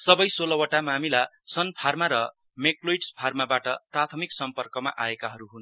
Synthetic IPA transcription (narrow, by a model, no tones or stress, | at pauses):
sʌbʌjsolʌwʌʈamamilasʌnpʰarmaɾʌ | mekloiʈspʰarmabaʈʌprat̪ʰʌmiksʌmpʌrkʌma̰ʔaekaɦʌɾuɦun